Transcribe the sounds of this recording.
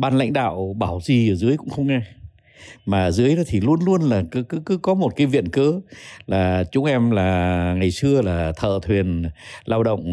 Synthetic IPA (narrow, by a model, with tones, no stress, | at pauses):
ɓaː˧nla̰˧˥jŋ̟ɗa̰ː˧˨wɓaː˧˩wzi˨˩˨zɨ˨˦əjkʊ̰˧˥ŋ͡mxə˧wŋ͡mŋɛ˧ | maː˨˩zɨ˨˦əjɗɔ˨˦t̪ʰi˨˩lu˧ənlu˧ənlaː˨˩kɨ˨˦kɨ˨˦kɨ˨˦kɔ˨˦mo˨˩t̚kaː˨˦jvḭ˧˨ənkəː˨˦laː˨˩t͡ɕʊ˨˦ŋ͡mʔɛ˧mlaː˨˩ŋa˨˩jsɨ˧əlaː˨˩t̪ʰə̰ː˧˨t̪ʰwi˨˩ənlaː˧wɗə̰˧˨wŋ͡m